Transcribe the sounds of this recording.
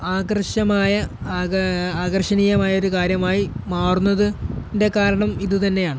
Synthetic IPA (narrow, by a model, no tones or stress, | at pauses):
aːɡɐrɕɐmaːjɐ | aːɡɐrɕɐnijɐmaːjɐoɾukaːɾjɐmaːjimaːrunːɐðɨnde̞kaːɾɐɳɐmiðɨt̪ɐnːe̞jaːɳɨ